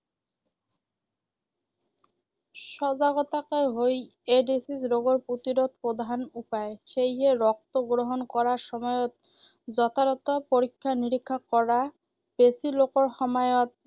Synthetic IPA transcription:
ʃɔd͡ʑaɡɔt̪akaeɦoj | eɖisisɾoɡoɾpot̪iɾot̪̚pɾod̪ʱanupaeʃejɦeɾɔk̚t̪oɡɾoɦonkɔɾaɾʃɔmɔeot̪̚ | d͡ʑɔt̪ʰaɾɔt̪apoɾikʰːaniɾikʰːakɔɾa | b̥esilokoɾhɔmajot̪̚

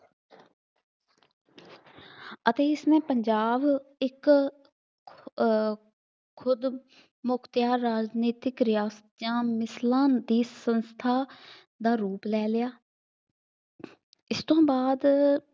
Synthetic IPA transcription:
ət̪eːɪsnẽːpəɲd͡ʒaːbɪk | kʰʊd̪ | mʊkʰt̪jaːɾaːd͡ʒniːt̪ɪkɾɪjaːsə̥t̪jãːmɪslãːd̪iːsənst̪ʰaː | d̪aːɾuːplɛːlɪjaː | ɪst̪õːbaːd̪

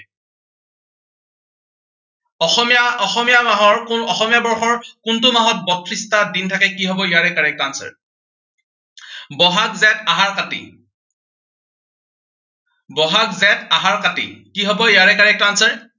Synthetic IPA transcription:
ɔxɔmijaɔxɔmijamaɦɔɹkʊnɔxɔmijabɔɹxɔɹkʊntʊmaɦɔt̚bɔtʰɹistadintʰakɛkiɦɔbɔjaɹɛkaɹɛk̚tansɛ̰ɹ | bɔɦakzɛtaɦaɹkatḭ | bɔɦakzɛtaɦaɹkatḭkiɦɔbɔjaɹɛkaɹɛk̚tansɛɹ

